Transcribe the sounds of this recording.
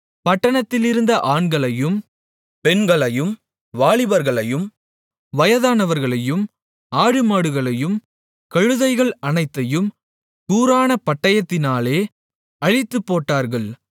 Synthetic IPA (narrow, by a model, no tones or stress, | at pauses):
pɐʈːɐɳɐt̪ːɪlɪɾɯnd̪ɐʔaːɳɡɐɭɐjɯm | pɛnɡɐɭɐjɯm | ʋaːɭɪʋɐɾɣɐɭɐjɯm | ʋɐjɐðaːnɐʋɐɾɣɐɭɐjɯm | aːɻɯmaːɽɯɣɐɭɐjɯm | kɐɻɯðɐɪɣɐɭɐnɐɪt̪ːɐjɯm | kuːɾaːnɐpɐʈːɐjɐt̪ːɪnaːleː | ɐɻɪt̪ːɯpːoːʈːaːɾɣɐɭ